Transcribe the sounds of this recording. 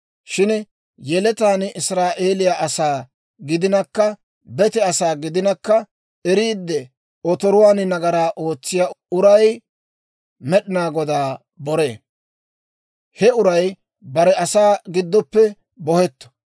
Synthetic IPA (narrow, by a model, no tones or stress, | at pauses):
ʃɪn | jɛlɛt̪aːnɪsɾaːʔeːlɪjaʔɐsaː | ɡɪd̪ɪnɐkːɐ | bɛt̪ɛɐsaːɡɪd̪ɪnɐkːɐ | ɛɾiːd̪ːɛ | ɔt̪ɔɾʊwaːnɪnɐɡɐɾaːʔo̞ːt͡sːɪjaːʊɾɐj | mɛɗɪnaːɡɔd̪aː | bɔɾe̞̰ː | hɛʊɾɐj | bɐɾɛɐsaːɡɪd̪ːɔpːɛ | bɔhɛt̪ːɔ̥